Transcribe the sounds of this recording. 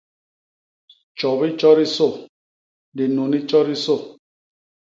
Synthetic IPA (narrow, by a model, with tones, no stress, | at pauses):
t͡ʃɔ˨βi˦t͡ʃɔ˦ɾi˦so˦˨ | di˨no˨ni˦t͡ʃɔ˦ɾi˦so˦˨